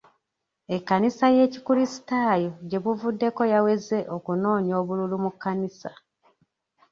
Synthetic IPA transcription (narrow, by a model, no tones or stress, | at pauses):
ekːanisaje̞ːcikulisi̥taːjo̞ɟe̞βuvudːe̞ko̞jawe̞ze̞ʔokuno̞ːɲo̞ːβululumukːanisa